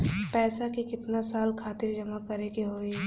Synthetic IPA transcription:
pɛːsakikɪt̪nasaːlkʰaːt̪ɪɾd͡ʒɐmakɐɾeːkiɦoːi

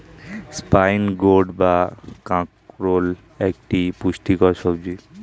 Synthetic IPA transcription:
spajnɡoɖbakãkɾol | ekʈipuʃʈikɔɾʃɔbd͡ʑi

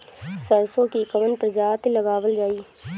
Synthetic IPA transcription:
səɾsõkikɐmənpɾəd͡ʒaːt̪lɐɡaːʋəld͡ʒaːiː

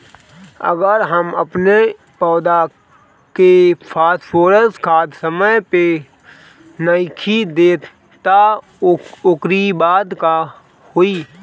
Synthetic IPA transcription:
ə̰ɡəɾɦəməpne | pɔːd̪a | kepʰaːspʰoːɾəskʰaːt̪səməjpe | nəɪkʰid̪eːt̪ | t̪a | ʊkɾibaːd̪ka | hoiː

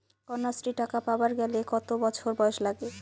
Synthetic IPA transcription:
kɔnːasɾiʈakapabaɾɡɛlekɔt̪obɔt͡ɕʰoɾbɔeʃlaɡe

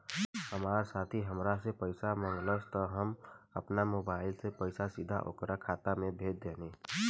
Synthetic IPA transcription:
həmaɾsat̪ʰiɦəmɾasepəɪsamə̃ŋɡləsʰt̪ɔɦəməpnamobaɪlsepəɪsasid̪ʱa̰ʔo̰kɾakʰat̪amebʱet̪̚d̪eni

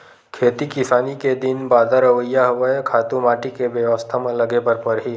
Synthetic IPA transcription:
kʰeːt̪ikɪsaːniked̪ɪnbaːd̪ʱaɾəʋəjːaɦʊʋəekʰaːt̪ũmaːʈikeʋjəʋəst̪ʰamẽləɡepɐɾpɐɾɦiː

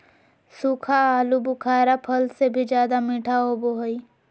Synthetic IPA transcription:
suːkʰaaːlubʊkʰaːɾapʰəlsebʱid͡ʒjaːd̪amiʈʰaɦoboɦoi

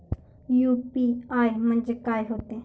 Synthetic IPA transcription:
juːpiaːimə̃nd͡ʒekaːiɦoːt̪ẽː

